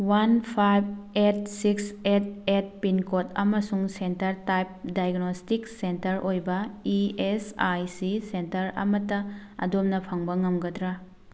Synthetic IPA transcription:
wanpʰajb̚et̚sikset̚et̚pinkotʰɐmɐsuŋsentɐɾtajp̚dajɡnostiksentɐɾʔojbɐiesajsisentɐɾɐ̰mɐtɐɐ̰domnɐpʰɐŋbɐŋɐmɡɐdɾa

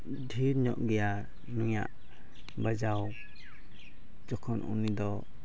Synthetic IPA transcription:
ɖʱiɾɲɔʔɡɛja | nuja̰ʔ | bəd͡ʒaw | d͡ʒɔkʰɔnṵnid̪ɔ

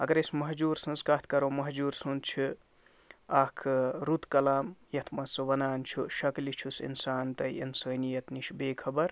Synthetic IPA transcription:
ɐɡɐɾesmɐɦd͡ʒuːɾsɐ̃nskat̪ʰkɐɾoːmɐɦd͡ʒuːɾsunt͡ʃʰu | aːkʰɾut̪kɐlaːmjɐt̪ʰmɐsʋɐnaːnt͡ʃʰuʃɐklit͡ʃʰusḭnsaːnt̪ɐjḭnsɐːnijɐt̪niʃbeːkʰɐbɐɾ

